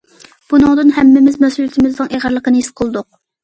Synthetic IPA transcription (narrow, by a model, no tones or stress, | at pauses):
b̥unɨŋd̪ɨnɦɛmːɪmɪzmɛsult̪ʰɪmɪzd̪ɨŋeʁəɾlːˠəqənɨisqʰəlˠd̪ʊq̚